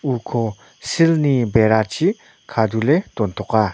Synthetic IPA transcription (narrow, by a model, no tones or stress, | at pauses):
ukʰɔ | silnibeɾat͡ɕʰi | kʰadulet̪ɔnt̪ʰɔka